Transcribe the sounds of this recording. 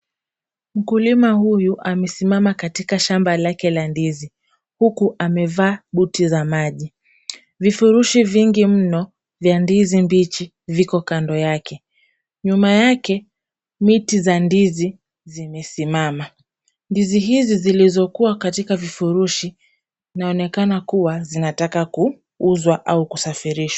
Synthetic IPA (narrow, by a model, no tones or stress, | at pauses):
m̩kulimahujuʔamɛsimamakatikaʃambalakɛlandizi | hukuʔamɛvaːɓutizamaʄi | vifuɾuʃiviŋɡim̩nɔ | vjandizimbit͡ʃi | vikɔkandɔjakɛ | ɲumajakɛ | mitizandizi | zimɛsimama | ndiziɦizizilizɔkuakatikavifuɾuʃi | naɔnɛkanakuwazinatakaku | uzwaʔaukusafiɾiʃwa